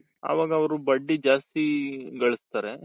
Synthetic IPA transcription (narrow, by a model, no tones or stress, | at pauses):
ɐ̰ʋaːɡɐːʋɐɾubɐɖːid͡ʒaːst̪iɡɐɭɐst̪aːɾe